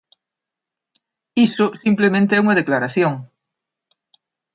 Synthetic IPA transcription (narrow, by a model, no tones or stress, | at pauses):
isosimplemẽnt̪eɛuŋaðeklaɾaθjoŋ